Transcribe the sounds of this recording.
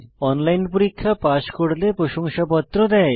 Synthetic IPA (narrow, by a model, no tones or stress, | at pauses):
ɔnlajnpoɾikʰːapaʃkoɽlepɾoʃoŋʃapɔt̪ːɾod̪ɛ